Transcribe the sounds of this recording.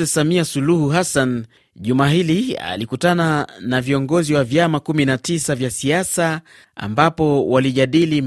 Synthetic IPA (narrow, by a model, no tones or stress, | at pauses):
ɛsamiasuluhuɦasan | ʄumaːɦilia̰likutananaviɔŋɡɔziwavjamakuminatisavjasiasa | a̰mbapɔwaliʄaɗili